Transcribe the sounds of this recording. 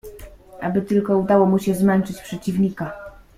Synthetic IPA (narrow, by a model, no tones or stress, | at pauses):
ʔabɘt̪ɘlkɔud̪awɔmuɕɛzmɛnt͡ʂɘt͡ɕpʂɛt͡ɕivɲika